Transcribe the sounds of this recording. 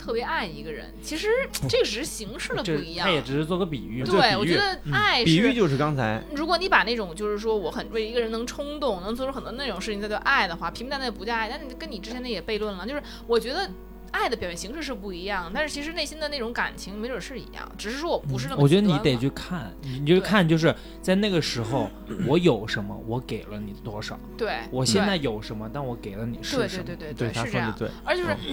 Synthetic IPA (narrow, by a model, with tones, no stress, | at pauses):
t̪ʰɤ˥˩pjɛ˧˥a˥˩ɪḭ˧˥ɡə˧ɻə̰˧˥nt͡ɕʰi˧˥ʂɻ̩˧˥ʈ͡ʂɤ˥˩ɡə˩ʈ͡ʂɻ̩˨˩ʂɻ̩˥˩ɕi˧˥ŋʂɻ̩˥˧˩də˩pii˧˥jɑ˥˩jɛ˨˩ʈ͡ʂɻ̩˧˥ʂɻ̩˧˥t͡swɔ˥˧˩ɡɔ˧˥pḭ˨˩y˥˩t̪wɪwɔ˨˩t͡ɕɛ˧˥d̪ə˧a˧˥˩ɪpiʂ̩˨˩˥y˥˧t͡ɕjo˥˧ʊʂɻ̩˥˩kɑ˥ŋt͡sʰa˧˥ɪɻu˧˥kwɔ˧˥˦ni˧˥pa˨˩na˥˩ʈ͡ʂʊ˨˩ŋt͡ɕjo˥˧ʊʂɻ̩˥˩ʂwɔ˥wɔ˧˥xə˨˩nwe˥˩ɪ˧i˧˥ɡə˧ɻə˧˥nɤ˧˥ŋʈ͡ʂʰʊ˥ŋt̪ʊ˥˩ŋnɤ˧˥ŋt͡swɔ˥˧ʈ͡ʂxə˨˩nt̪wɔ˥˧na˥˩ʈ͡ʂʊ˨˩ŋʂɻ̩ʰ˥˩i˧ŋ˥˧˩t͡ɕɑ˥˧ʔa˥˩ɪd̪ə˩xwa˥˩pʰi˧˥ŋt̪a˧˥na˥˩˨pu˧˥t͡ɕa˥˧a˥˩ɪt̪a˥˩˥kə˥ni˨˩ʈ͡ʂɻ̩˥t͡ɕʰɛ˧˥nə˧˥jɛ˨˩pe˥˧ɪlwə˥˩nlə˩t͡ɕjo˥˧ʊʂɻ̩˥˩ | wɔ˨˩t͡ɕɥɛ˧˥d̪ə˧ | a˥˩ɪd̪ə˩pjʊɕjɛ˥˩ɕi˧˥ŋʂɻ̩˥˧ʂ̬ɻ̩˧pu˥˩i˧˥jɑ˥˩ŋt̪a˥˧ʂɻ̩˥˩t͡ɕʰi˧˥ʂɻ̩˧ne˥˩ɪɕi˥nd̪ə˨˧ne˥˩ʈ͡ʂʊ˧˥ŋka̰˨˩nt͡ɕʰi˧˥ŋme˧˥˨ʂɻ̩˥˩ḭ˧˥jɑ̰˥˩ŋʈ͡ʂɻ̩˨˩ʂɻ̩˧˥ʂwɔ˥wɔ˨˩pu˧˥ʂɻ̩˥˧n˥wmɔ˨˩t͡ɕɥɛ˧˥ə˥ni˧˥˧t̪e˨˩t͡ɕʰy˥˩kʰa˥˩ni˨t͡ɕo˥˧˩kʰa˥˧nt͡ɕjo˥˧ʂ̬ɻ̩˥˧˩ | t͡sa˥˧ɪna˥˩ɡə˩ʂɻ̩˧˥xo˧ʊ | wɔ˧˥jo˨˩ʊʂə˧˥nmə̰˧wɔ˧˥ke˨˩ɪlə˦ni˨˩t̪wɔ˥ʂɑ˨˩˦ʊt̪we˥˩ɪwɔ˨˩ɕjɛ˥˧nt͡sa˥˩ɪjo˨˩ʊʂə˧˥nmə˧t̪a˥˩nwɔ˧˥ke˨˩ɪlə˦ni˨˩ʂwe˥˧t̪we˥˧t̪wt̪we˥˧t̪we˥˩ɪ˧ɪ˥a˥˧˥jɑə˧ŋt̪we˥˩ə˞˧˥t͡ɕjo˥˧ʊʂɻ̩˥˩